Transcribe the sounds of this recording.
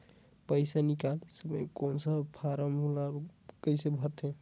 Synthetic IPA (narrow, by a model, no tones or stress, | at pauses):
pəɪsanikalsəməjkonsəpʰaɾəmulakəɪsebʱət̪ɦe